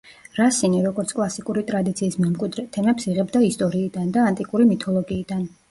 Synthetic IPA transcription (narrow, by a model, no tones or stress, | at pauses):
ɾasiniɾɔɡɔɾt̪sʰkʼlˠasikʼuɾit̪ʼɾad̪it̪sʰiːsmɛmkʼwid̪ɾɛt̪ʰɛmɛpsiʁɛbd̪aist̪ʼɔɾiːd̪and̪aːnt̪ʼikʼuɾimit̪ʰɔlˠɔɡiːd̪an